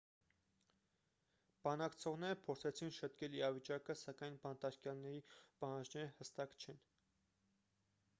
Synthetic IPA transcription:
b̥ɑnɑkt͡sʰɔʁnɛɾəpʰɔɾt͡sʰɛt͡sʰinʃət̪kɛliɾɑvit͡ʃɑkəsɑkɑjnbɑnt̪ɑɾkjɑlnɛɾipɑhɑnd͡ʒnɛɾəhəst̪ɑkt͡ʃʰɛn

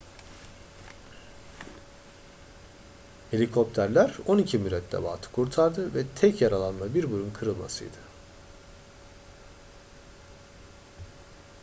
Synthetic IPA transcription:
he̞lʲikʰo̞p̚t̪ʰæɾlʲæɾo̞nicʰimyɾɛt̪ːʲɛ̰ba̰ːt̪ʰɯ̥kʰuɾt̪ʰaɾd̪ɯvɛt̪ʰɛcjaɾalˠanmabiɾbuɾunkʰɯɾɯlˠma̰sɯ̰jd̪̥ɯ

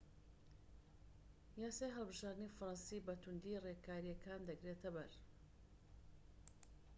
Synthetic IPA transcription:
jaːsaːjɦəlˠbɨʒaːɾd̪ɨnifɾɑnsiːbɐt̪ʰund̪irekʰaːɾijɐkʰaːnd̪ɐɡɾet̪ʰɐbɐɾ

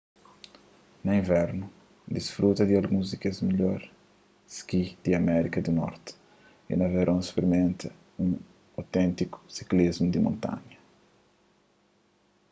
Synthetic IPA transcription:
nɐĩvɛɾnu | d̪isfɾut̪ɐd̪iɐlɡũzikɐzmiʎɔɾ | skid̪̥iɐmɛɾikɐd̪unɔ̰ɾt̪ | ḭnɐveɾʔõw̃speɾimẽnt̪ɐ | ũŋ | ɐwt̪ɛ̃nt̪iku̥si̥klizmud̪imõ̰nt̪ã̰ɲɐ

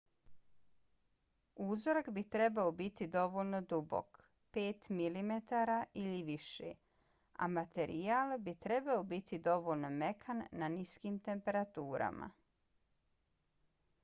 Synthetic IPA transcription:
uzoɾakbit̪ɾe̞baobit̪id̪o̞ʋo̞ʎno̞d̪ubo̰k | peːt̪milimet̪aɾaʔiliʋiʃḛ | a̰mat̪e̞ɾijaːlˠbit̪ɾe̞baobit̪ʰid̪o̞ʋolno̞me̞kʰanːaniskimt̪e̞mpe̞ɾat̪uːɾa̰ma̰

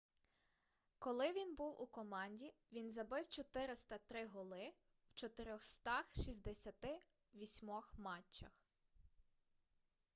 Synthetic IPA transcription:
kɔlˠɪʋʲinbuwʔṵkɔmɑnʲdʲiʋʲinzɐbɪwt͡ʃɔt̪ɪɾɪst̪ɐt̪ɾɪɦɔlˠɪ | w̥t͡ʃɔt̪ɪɾʲɔxst̪ɑxʃizʲd̪esʲɐt̪ɪ | ʋʲisʲmɔxmɑt͡ʃːɐx

